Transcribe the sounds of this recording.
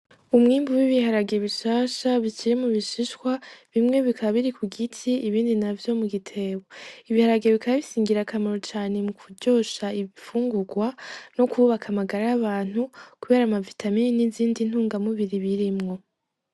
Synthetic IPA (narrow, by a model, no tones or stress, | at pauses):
umŋiːmbuwiβihaɾaɡe̞βiʃaːʃaβit͡ʃiɾimuβiʃiʃkwaβimŋe̞βikʰaβiɾikuɡitʰiːβiːndinavjo̞muɡitʰe̞βoiβihaɾaɡeβikaβaβisiːŋɡiɾakʰamaɾot͡ʃaːne̞mukʰuɟo̞ːʃaiβifuːŋɡuɡwano̞kuβakʰamaɡaɾaaβaːn̥hukuβe̞ːɾaːmavitʰamininiziːndin̥huːŋɡamuβiɾiβiɾimŋo̞